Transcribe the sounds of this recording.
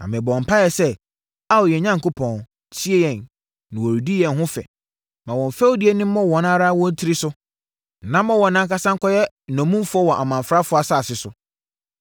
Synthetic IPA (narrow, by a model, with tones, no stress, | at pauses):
nã̰˨mɪ̃˨bɔ˨ɔ̃˨m̩˨pʰa˦jɛ˨sɛ˦ | a˦wjɛ˨ɲã˦ŋ˨kʊ˦pʰɔ̃˨n | tʰi˦e˦jɛ̃˨nː | ɪ̃˨wɔ˨ɾi˨di˦jɛ̃˨nɦʊ̃˦fɛ̰˨ | mã˨wɔ̃˨ɱ˨fɛ˦wdɪ˦e˦nɪ̃˦m˦mɔ̃˦wɔ̃˨nã˦ɾa˦wɔ̃˦n˦tʰi˦ɾi˦sʊ˦˨ | nã˦mɔ̃˦wɔ̃˨nã˨ŋ˦ka˦sã˦ŋ̩˦kʰɔ˦jɛ˦˨ | nɔ̃˨mũ˦m˦fʊ˦ɔ˦wɔ̃˨ʔa˨mã˨ɱ˨fɾa˦fʊ˦a˨sa˦˨sɪ˨sʊ˨